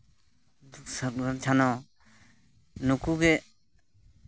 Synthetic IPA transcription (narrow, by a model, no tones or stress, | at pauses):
səɾɡant͡ʃʰanɔ | nukuɡɛ